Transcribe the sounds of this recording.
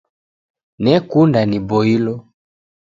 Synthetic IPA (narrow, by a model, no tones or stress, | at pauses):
nɛkundanibɔilɔ